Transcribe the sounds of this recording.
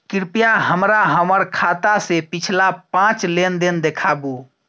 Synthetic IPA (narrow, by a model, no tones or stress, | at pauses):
kɪɾpijaɦəmɾaɦəməɾkʰat̪asepɪt͡ʃʰlapãt͡ʃlend̪ind̪ekʰabu